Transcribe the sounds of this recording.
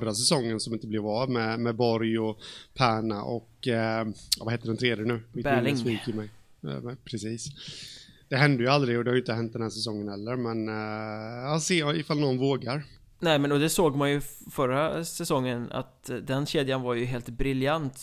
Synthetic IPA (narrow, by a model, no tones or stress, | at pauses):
ɾas̬ɛsɔŋːənsɔmɪnt̪əblɛvɑmɛmɛbɔɾjɔpʰæːɳaʔɔk | vaheːt̪əɖɛnt̪ʰɾeːd̪jənʉ̟ːɪb̪ŋsviːkəmɛj̰ | pʰɾɛsiːs | d̪̥ɛɦɛnd̪əjɵald̪ɾɪɔd̪ɛhaɾjʏnt̪əhɛnt̪̚d̪ɛnhæːʂsɛs̬ɔŋːənhɛlːəɾmɛn | ɑseːɪfalnɔnvoːɡaɾ | nɛːmɛnɔd̪ɛsoːɡmanjɵfœɾasɛsɔŋːəna̰t̪d̪ɛnɕeːd̪janvaɾjɵɦeːlt̪bɾɪljant̪